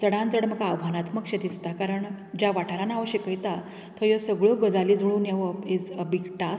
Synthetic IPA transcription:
t͡səɽãnd͡zəɽməɡaːʋʱanat̪ʰməkɕed̪isʰt̪akaɾəɳ | d͡ʑjaʋaʈʰaɾanaʋəɕikəjt̪a | t̪ʰəjosəɡɭobəd͡zalid͡zuɭuːnjeʋəed͡zbikʈa

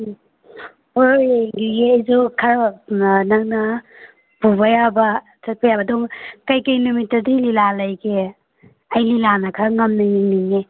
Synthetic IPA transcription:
oŋɡiɡeajzokʰa | naŋna | pubajabɐ | t͡ʃɐt̚pʰajabadɔŋkajkajnumitɐdililalajke | ajlilanakʰaŋɐmniŋniŋniŋe

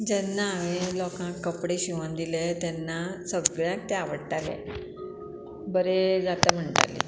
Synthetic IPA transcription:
d͡ʑɛnːaːʋelɔkãkkːəpɽeɕiʋənd̪ilet̪ɛnːasəɡɭjãk̚t̪eaʋəɽʈalḛ | bəɾed͡zat̪əm̤əɳʈa̰lḛ

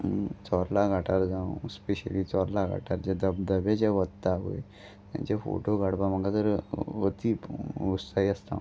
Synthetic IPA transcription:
t͡sɔɾlaɡʱaʈʰaɾd͡zãwspeɕə̰lit͡sɔɾlaɡʱa̰ʈʰaɾd͡ʑad̪əbd̪əʋat͡ɕaʋət̪ːaːɡo̰j | t̪jã̰t͡ɕefo̰ʈoɡaɽbam̤əɡat̪əɾʋət̪iːust̪aiəst̪a̰

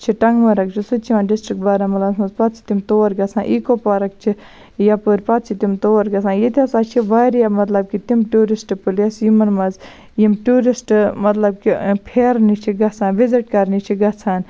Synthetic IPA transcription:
t͡ʃʰiʈɐŋɡʋɐɾɐk̚t͡ʃʰisut͡ʃʰiʋaːnɖisʈɾik̚ʈbaːɾɐmɐt̪lasmɐzpɐt̪t͡ʃʰi̥t̪imt̪oːʋɐɾɡɐt͡sʰãːnʔikopaːɾɐk̚t͡ʃʰi | japoɾʲpɐt̪̚t͡ʃʰit̪imt̪oːʋɐɾɡɐsʰaːnjit̪ʲɐsaːt͡ʃʰiʋɐɾjamɐt̪lɐb̚kit̪imʈuːɾisʈpulɐsjimɐnmɐz | jimʈuːɾisʈmɐt̪lɐb̚kipʰeːɾnit͡ʃʰiɡɐt͡sʰaːnʋiziʈ̚kɐɾnit͡ʃʰiɡɐt͡sʰaːn

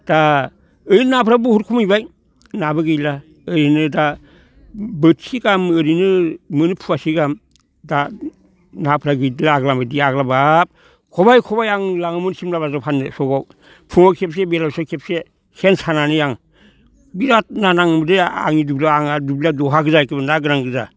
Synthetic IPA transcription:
d̥a | ɯjnapʰɾabuhuɾkʰumɯjbaj | nabɯɡɯjla | ɯɾinɯda | bɯtsiɡamɯɾinɯmɯnɯpʰuasiɡam | da | napʰɾaɡɯjdlaːɡlambadiaɡlabap̚ | kʰɔbajkʰɔbajaŋlaŋɯmunsimlabazapʰanɯsɔɡaw | pʰuŋakʰep̚sebeɾawsakʰep̚se | hensananɯjaŋ | biɾat̚nanaŋɯmdea̰ŋidublaaŋadubiladɔɦaɡɯzakɯbɯnaɡɯɾaŋɡɯza

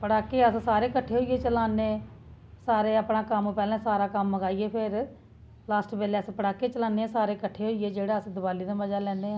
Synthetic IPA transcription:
pəɽaːkːeːəssaːɾeːkəʈʰːeːɦoːieːt͡ʃəlaːneːsaːɾeːəpɳãːkəmːpɛːlɛ̃ːsaːɾaːkəmːəɡaːieːpʰɪɾ | laːsʈbeːleːspəɽaːkːeːt͡ʃəlaːneːsaːɾeːkəʈʰːeːɦoːijeːd͡ʒeːɽaːəsd̪ʊbaːliːd̪aːməd͡ʒaːlɛ̃ːneː

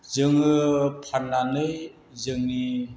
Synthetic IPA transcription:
zɯŋɯpʰaɾnanɯj | zɯŋni

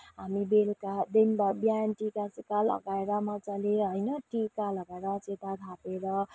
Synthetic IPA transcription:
ɦamibelkad̪enbabjanʈikasikalʌ̰ɡaeɾamat͡saleɦʌjnʌʈikalʌɡaeɾʌt͡set̪aɡ̪ʱapeɾʌ

